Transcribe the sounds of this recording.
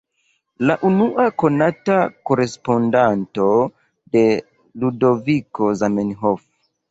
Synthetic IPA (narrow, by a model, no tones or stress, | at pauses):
laʔunuʔako̞natako̞ɾe̞spo̞ndanto̞ | de̞ | ludo̞viko̞zamenɦof